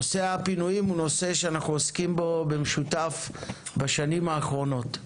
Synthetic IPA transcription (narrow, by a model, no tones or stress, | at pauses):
oseapinujimuno̞se̞ʃeanaχnuoskimbo̞be̞meʃutafbaʃanimaːχʁo̞no̞t